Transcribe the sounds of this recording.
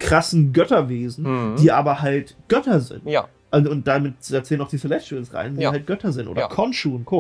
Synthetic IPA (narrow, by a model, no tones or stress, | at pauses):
kʁ̥asn̩ɡœtɐveːzn̩d̥iːʔaːbɐɦaltɡ̥œtɐzɪ̰nt | ʔaʊnt̚d̥amɪt̚d̥aːt͡sɛːlənaʊχd̥iːsolɛt͡ʃusʁa̰ɪndiːhalt̚ɡ̥œtʰɐzɪntʔo̰ːɐɐ̰kʰɔnʃuːʊnt̚kʰoː